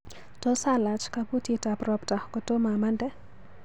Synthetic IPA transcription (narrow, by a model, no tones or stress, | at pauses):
tɔsalat͡ʃkabutitabɾɔptahkɔtɔmamandɛ